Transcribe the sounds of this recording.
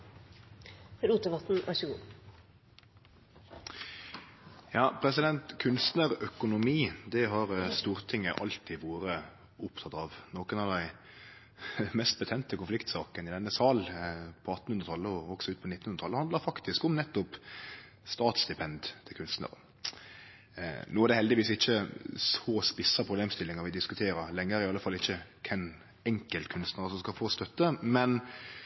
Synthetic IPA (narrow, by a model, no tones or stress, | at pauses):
ɾuːt̪əʋɑt̪n̩æ̰ʃu | jɑːpʰɾɛsɪd̪ɛnt̪kʰʉnst̪nəɾœkʊnʊmiːd̪ɛɦɑɾst̪uːɾt̪ʰɪŋːəʔɑ̰lt̪ʰiːʋoːɾə | ʊpt̪ʰɑt̪ɑʋnoːkənɑʋd̪æɪ | mɛst̪̚bət̪ʰɛnt̪əkʊnflɪkt̪sɑːkənɪd̪ɛnːəsɑːlpʰɔɑt̪ːn̩hʉnɾət̪ʰɑlːəɔɔɡsɔʉːt̪pʰɔnɪt̪ːnhʉnɾət̪ʰɑlːəhɑnd̪ləɾfɑkt̪ɪskɔmnɛt̪ːʊp | st̪ɑːt̪sd̪ɪpʰɛnd̪t̪ʰɪlkʰʉnst̪nə̰ɾə̰ | nuːæɾd̪ɛhɛld̪ɪʋiːsɪçːəsɔspɪsəpʰɾʊbleːmst̪ɪlːɪŋɑɾʋɪd̪ɪskʉt̪ʰeːɾəɾlɛŋːəæɾɪɑlːəfɑlːəɪçːəkʰɛn | ɛŋkəlt̪kʰʉnst̪nəɾəsɔmskɑfoːst̪œt̪ːəmɛn